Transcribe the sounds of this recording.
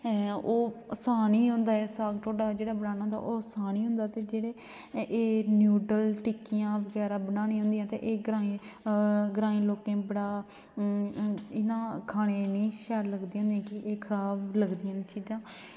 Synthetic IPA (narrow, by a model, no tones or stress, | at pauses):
oːəsaːniːɦʊ̃nd̪aːɛːsaːɡʈʰoːɖaːd͡ʒeːɽaːbənaːnaɦnd̪a̰ʔoːsaːniːɦʊ̃nd̪aːt̪eːd͡ʒeːɽeː | ʔeːnjuːɖəlʈɪkijãːʋəɡɛːɾaːbənaːnĩːɦʊ̃nd̪ijãːt̪ḛʔeːɡɾãːĩ | ɡɾaːĩːloːkẽːbəɽaː | ɪnãːkʰaːɽ̃eːnĩːʃɛːɾləɡd̪iːɦʊ̃nd̪ijãːkɪʔeːkʰəɾaːbləɡd̪iːãːt͡ʃiːzãː